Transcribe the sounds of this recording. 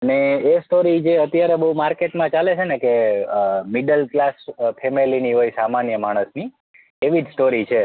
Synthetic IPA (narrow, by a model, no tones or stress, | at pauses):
əneːsʈoɾid͡ʒeət̪jaɾebəɦumaɾkeʈmãt͡ʃalet͡ʃʰeneke | miɖəlklaspʰemeliniɦojsamanjəmaɽ̃əsni | eʋid͡ʒsʈoɾit͡ʃʰe